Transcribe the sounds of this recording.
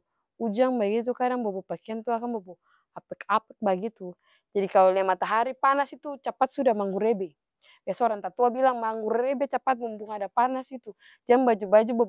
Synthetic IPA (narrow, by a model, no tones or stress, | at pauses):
ud͡ʒaŋbaɡit̪̬ukadaŋbabɔpakiant̪uakaŋbabɔ | apɛkapɛt̪̚baɡit̪u | d͡ʒadikalɔlɛmat̪aɦaɾipanasit̪ut͡ʃapat̪̚sudahmaŋɡuɾɛbɛ | biasɔɾant̪at̪uabilaŋmaŋɡuɾɛbɛt͡ʃapat̪̚mumbuŋadapanasit̪u | d͡ʒaŋbad͡ʒubad͡ʒuba